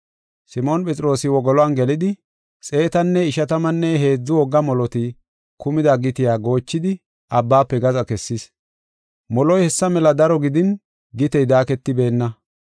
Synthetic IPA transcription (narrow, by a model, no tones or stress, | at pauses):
sɪmo̞ːnpʼɛt͡sʼɪɾo̞ːsɪwɔɡɔlɔɐnɡɛlɪd̪ɪ | sʼe̞ːt̪ɐnːɛɪʃɐt̪ɐmɐnːɛɦe̞ːd͡zːʊwɔɡːɐmɔlɔt̪ɪ | kʊmɪd̪aɡɪt̪ɪjaːɡo̞ːt͡ʃːɪd̪ɪ | ɐbːaːpːɛɡɐzɐkɛsːɪs | mɔlɔjhɛsːɐmɛlɐd̪ɐɾɔɡɪd̪ɪn | ɡɪt̪ɛjd̪aːkɛt̪ːɪbe̞ːnːɐ